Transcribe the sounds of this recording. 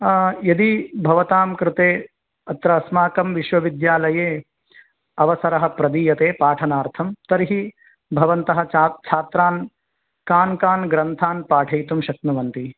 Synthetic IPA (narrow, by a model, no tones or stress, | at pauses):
jɐd̪ibʱɐʋɐt̪aːmkɾɪt̪eː | ɐt̪ɾɐːsmaːkɐmʋiʃʋɐʋid̪jaːlɐjeː | ɐʋɐsɐɾɐɦɐ̆pɾɐd̪iːjɐt̪eːpaːʈʰɐnaːɾt̪ʰɐmt̪ɐɾiɦi | bʱɐʋɐnt̪ɐɦɐ̆at͡ʃʰaːt̪ɾaːn | kaːnkaːnɡɾɐnt̪ʰaːnpaːʈʰɐjt̪umʃɐk̚nuʋɐnt̪i